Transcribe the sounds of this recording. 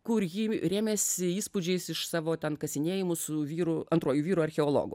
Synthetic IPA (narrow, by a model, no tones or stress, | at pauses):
kʊɾjiɾʲæːmʲesʲɪiːspʊd͡ʒʲɛɪsɪʃsɑːʋoːt̪ʲɛnkɐsʲɪnʲeːjɪmʊsʊʋʲiːɾʊɐnt̪ɾuɔjuʋʲiːɾʊɐɾʲxʲɛoːlˠo̰ːɡʊ̰